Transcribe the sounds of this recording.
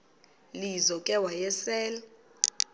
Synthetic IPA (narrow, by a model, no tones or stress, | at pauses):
lizɔkʼɛwajɛsɛːla